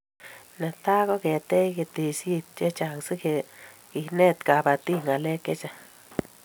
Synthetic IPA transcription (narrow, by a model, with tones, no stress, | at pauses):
ne˨t̪a˦ɡo˦ɡe˨t̪e˦ɡe˧t̪i˧sji˧t̪̚t͡ʃe˦t͡ʃa˧ŋsi˦ke˧˨ | i˧ne˦t̪ɡa˨ba˨t̪i˦ŋa˨le˦ke˦t͡ʃa˧